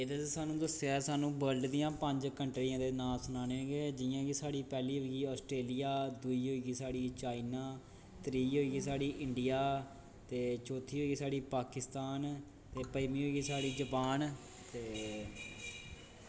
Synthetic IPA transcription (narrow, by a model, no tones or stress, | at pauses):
ed̪asaːnũːd̪əsaːsaːnũːbəɾɖd̪ijãːpəɲd͡ʒkəɳʈɾiːãːd̪eːnaːsʊnaːneːɦõːɡeːd͡ʒɪjãːɡiːsaːɽiːpɛːliːɦoːiɡiːɔːsʈɾeːlijaːd̪uiːɦoːiːɡiːsaːɽiːt͡ʃaːinaː | t̪ɾiːɦoːiːɡiːsaːɽiːʔɪɳɖɪjaː | t̪eːt͡ʃɔːt̪ʰiːɦoːiːɡiːsaːɽiːpaːkɪst̪aːn | t̪eːpəiːmĩːɦoːiːɡiːsaːɽiːd͡ʒəpaːn | t̪eː